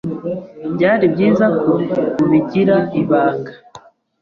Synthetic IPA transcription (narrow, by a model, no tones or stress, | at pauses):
bɟaːɾibɟiːzakoβiɟiɾaiβaːkḁ